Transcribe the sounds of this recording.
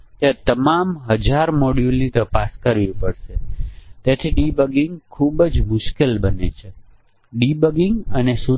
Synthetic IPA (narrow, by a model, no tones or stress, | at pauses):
t̪jat̪əmamɦəd͡ʒaɾmoɽjulnit̪əpaskəɾʋipəɽʃet̪et̪ʰiɖibəɡiŋɡkʰubd͡ʒmʊʃkelbənḛt͡ʃʰe | ɖibəɡiŋɡənesu